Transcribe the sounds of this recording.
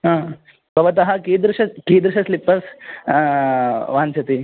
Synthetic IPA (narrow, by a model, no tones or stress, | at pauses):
ɦãː | bʱɐʋɐt̪̬ɐɦɐkiːd̪ɾʂɐkiːd̪ɾuʃɐslipːɐs | ʋant͡ʃʰɐt̪i